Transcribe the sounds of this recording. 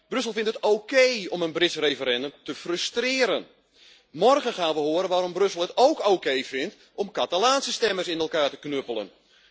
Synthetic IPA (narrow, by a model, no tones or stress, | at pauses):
b̥røs̬əlˠfɪntətoːkejɔmənbrɪtsrejfəɾɛndəmtəfrøstrɪːɾən | mɔrɣənxaːnʋəɦʊəɾənʋaːɾɔmbrøsəlˠətowkokejfɪnt | ɔmkatalaːnsəstɛmərsɪnɛlˠkaːtə̥knøpəlˠə̰n